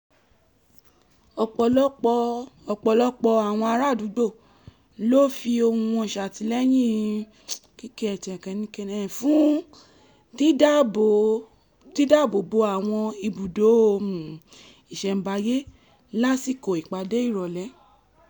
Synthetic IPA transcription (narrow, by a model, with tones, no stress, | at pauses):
ɔ˨k͡plɔ˦k͡pɔ˨k͡pɔ˨˧˨lɔ˦k͡pɔ˧a˨w̃ɔ̃˧a˧ɾa˦˨du˨˦ɡ͡bo˦˨ | lo˦˨fi˧o˧hũ˧ɔ̃˧˨ʃa˨ti˧˦lɛ˦j̃ĩ˦˨ | ki˦ke˦ɛ˧˨tɛ̃˨kɛ̃˧nĩ˦ke˦nɛ˨fũ˦ | ti˦da˦bo˨ | ti˦da˦˨bo˨bo˧a˨w̃ɔ̃˧i˧bu˨do˨˦o˧mũ˨ | i˨ʃɛ˨m̩˨ba˧je˦ | la˦si˦˨ko˨i˨k͡pa˨de˦i˦˨ɾɔ˨lɛ˨˦